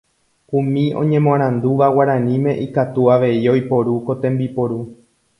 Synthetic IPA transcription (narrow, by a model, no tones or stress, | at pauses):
ũmĩõ̞̰ɲẽ̞mõɾ̃ãnd̪uʋawaɾãnĩmẽ̞ʔikat̪uaʋe̞io̞jpo̞ɾuko̞t̪ẽ̞mbipo̞ɾu